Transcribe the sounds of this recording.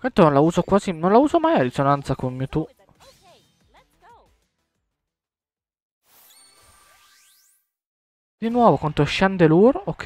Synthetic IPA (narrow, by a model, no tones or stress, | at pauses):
kwɛt̪ononlauːzokwaːzinonlauːzomajaɾisonant̪sakonmit̪u | d̪̥inwɔːvokwant̪oʃand̪eluɾokʰː